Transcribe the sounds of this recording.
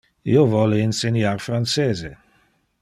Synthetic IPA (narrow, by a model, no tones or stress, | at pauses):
ḭovɔleinsenjaːrfranseːze